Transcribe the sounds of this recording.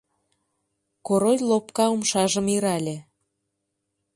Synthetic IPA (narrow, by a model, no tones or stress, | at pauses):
koɾojʲlopkɑumʃɑʒə̆miɾɑlʲe